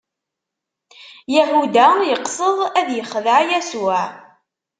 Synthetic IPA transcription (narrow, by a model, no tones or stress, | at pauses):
jæhud̪æjəqsˤəðˤæðjəχːðəʕjæsuʕ